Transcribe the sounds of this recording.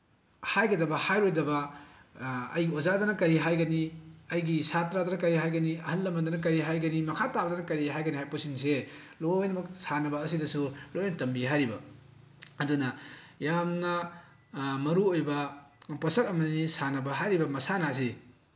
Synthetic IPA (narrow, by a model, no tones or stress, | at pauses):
hajɡɐdɐbɐhajɾojdɐbɐ | ɐ̰jɡiozadɐnɐkɐɾiɦajɡɐniɐjɡisatɾadɐnɐkɐɾiɦajɡɐniɐhɐlːɐmɐdɐnɐk̬ɐɾiɦajɡɐnimɐkʰatabɐdɐnɐkɐɾiɦajɡɐniɦhajposins̬elojnɐmɐksanɐbɐːs̬idɐsulojnɐtɐmbiɦajɾibɐ | ɐdunɐjamnɐ | mɐɾuojbɐpɐsɐkɐmɐnisanɐbɐɦajɾibɐmɐsanas̬i